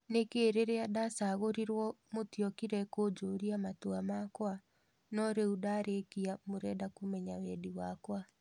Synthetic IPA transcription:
nekeːɾeɾeadasaɣoɾiɾwɔmotjɔkiɾɛkod͡ʒoɾiamatoamakwa | nɔɾeudaːɾekiamoɾɛdakumɛɲawɛdiwakwa

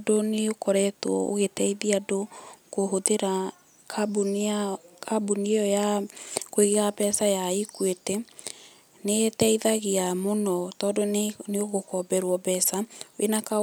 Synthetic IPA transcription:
doneokɔɾɛtwɔ̰o̰ɣetɛiðiadokoɦoðeɾa | kb | kʰabuniɔjakoeɣeɣabɛsajaikwetɛ | netɛiðaɣeamonɔtɔːdoneoɣokɔbɛɾwɔbɛːsaʔenaka

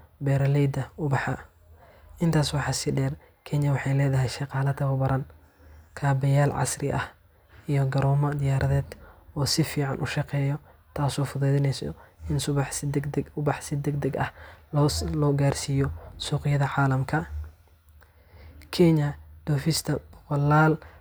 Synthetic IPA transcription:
bɛɾɐlɛjd̪ɐʊbɑħɑ | ʔɪnt̪ʰaːswɑħɑsɪɖɛːr | kʰɛɲɐwɑħɑjlɛːðɐɦɛjʃɑqɑːlɐd̪ʰɐwɐbɐɾʔɐn | kʰaːbɛjaːlʕɑ̰srɪʔɐ̰h | ijɔɡɐɾɔːmɐd̪ɪjaːɾʔɐðɛːd̪̥ɔːsɪfiːʕɑ̰nʔʊʃɑqɛːjɔt̪ʰaːsɔːfʊðɛːðɪnɛsɔ̰ɪnsʊβɑħʊbɑħsɪd̪ɛɡd̪ɛɡɐ̰h | lɔːɡaːrsiːjɔsuːqɪjɐðɐʕaːlɐmkʰɐ | kʰɛɲɐd̪̥ɔːfɪst̪ʰɐbɔqɔlːaːl

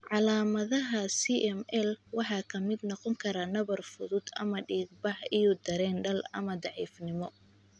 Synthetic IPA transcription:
ʕɑlaːmɐðɐɦɐsiʔɛmɛlwɑħɑːkʰɐmɪd̪nɔqɔŋkʰɐɾaːnɐβɐrfʊðʊd̪ɐ̰mɐɖiːɡ̚bɑħijɔd̪ɐɾɛːnɖɐlɐ̰mɐd̪ɑʕḭːfnɪmɔ

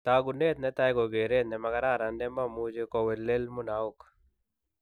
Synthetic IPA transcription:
t̪aːɡuneːt̪̚net̪ajɡoɡeːɾeːt̪nɛmɐɡɐɾaːɾɐndemɐmud͡ʒekowelːelmunaːuk

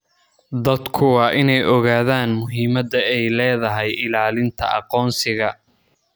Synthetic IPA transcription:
d̪ɐd̪kʰʊwɑːʔɪnɛjʔɔɣaːðaːnmʊɦiːmɐd̪ɐɛjlɛːðɐɦɛjɪlaːlɪnt̪ʰɐ̰ʔɑ̰qɔːnsɪɣɐ

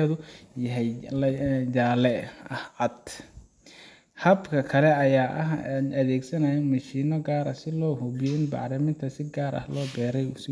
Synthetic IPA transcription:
ðʊjɐɦɛjlɐjaːlɛɐhʕɑd̪ | hɐbkʰɐkʰɐlɛɐjaːʔɐ̰ɦnʔɐðɛːɡsɐnɐjɐmɐʃiːnɔɡaːɾɐsɪlɔːhʊβɪjɔɪnbɑ̰ʕɾɐmɪnt̪ʰɐsɪɡaːɾɐ̰hlɔːbɛːɾɛjʊsɪ

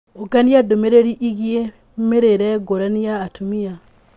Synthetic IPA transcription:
oɡaniadomeɾeɾiʔiɣje | meɾeɾɛɡoɾanijaːtumia

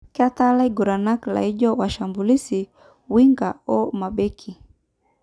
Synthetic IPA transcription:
kat̪alaiɡuɾanakla̰iʄɔwaʃambulisi | wiŋɡaɔmaɓɛkʰi

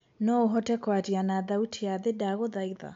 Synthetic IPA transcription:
nɔoɦɔtɛkwatianaðautʰiaðedaɣoðaiða̰

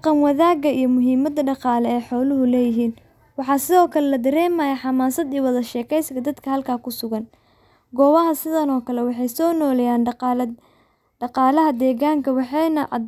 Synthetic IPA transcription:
qɑmwɐðaːɣɐijɔmʊɦiːmɐd̪ɐɖɑqɑːlɛɛːħɔːlʊɦʊlɛːjɪɦiːn | wɑħɑːsɪðɔːkʰɐlɛlɐd̪ɐɾɛːmaːjɐħɑmaːnsɐd̪iwɐðɐʃɛːkʰɛjskʰɐd̪ɐd̪kʰɐhɐlkʰaːkʰʊsʊɣɐn | ɡɔːwɐɦɐsɪðɐnɔːkʰɐlɛwɑħɑjsɔːnɔːlɛjaːn | ɖɑqɑːlɐɦɐd̪ɛːɣaːŋkʰɐwɑħɑjnɐʔɐ

